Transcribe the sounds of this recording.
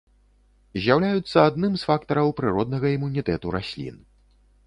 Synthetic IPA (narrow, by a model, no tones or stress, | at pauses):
zʲjawlʲajut̪sːɐad̪nɨmsfakt̪ɐɾɐwpɾɨɾɔd̪̚nɐɣɐimunʲit̪ɛt̪uɾasʲlʲḭn